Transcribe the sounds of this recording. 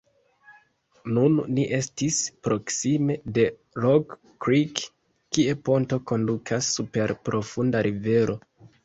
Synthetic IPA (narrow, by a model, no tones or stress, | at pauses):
nunːiʔe̞stispɾo̞ksime̞de̞ | ɾoɡː | ɾik | kːie̞po̞nto̞ko̞ndukʰasːupe̞ɾpɾʔo̞fundaɾive̞ɾʔo̞